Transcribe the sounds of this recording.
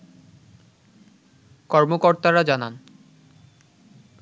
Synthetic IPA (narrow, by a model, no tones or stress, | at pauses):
kɔɾmokɔɾt̪aɾad͡ʑanan